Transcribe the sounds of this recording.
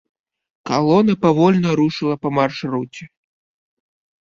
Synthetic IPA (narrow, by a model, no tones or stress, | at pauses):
kalˠɔnɐpavɔlʲnɐɾuʂɨlˠɐpɐmarʂrut͡sʲɛ